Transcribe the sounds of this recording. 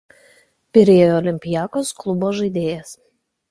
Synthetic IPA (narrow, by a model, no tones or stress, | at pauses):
pʲɪɾʲeːjojoːɔlʲɪmʲpʲɪjæːkosklˠʊboːʒɐɪd̪ʲeːjɛs